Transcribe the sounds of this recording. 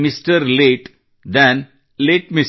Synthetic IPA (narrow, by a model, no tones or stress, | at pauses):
mɪsʈəɾleːʈ | d̪ɛ̃n | leːʈmɪs